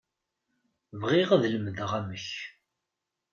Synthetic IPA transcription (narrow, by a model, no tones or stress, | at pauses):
vʁiʁðləmðəʁæməç